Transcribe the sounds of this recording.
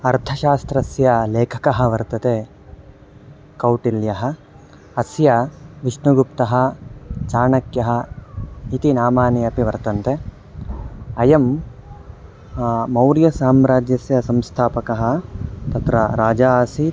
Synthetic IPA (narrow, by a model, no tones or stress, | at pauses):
ɐɾt̪ʰɐʃaːst̪ɾɐsjɐleːkʰɐ̥kɐɦɐ̆ʋɐɾt̪ɐt̪e | kɐwʈiljɐɦɐ̆ | ɐsjɐʋiʂɳuɡupt̪ɐɦɐ̆t͡ʃaːɳɐkjɐɦɐ̆ | it̪inaːmaːniɐpiʋɐɾt̪ɐnt̪e | ɐjɐm | ɐwɾjɐsaːmɾaːd͡ʒjɐsjɐsɐmst̪ʰaːpɐkɐɦɐ̆t̪ɐt̪ɾɐɾaːd͡ʒaːsi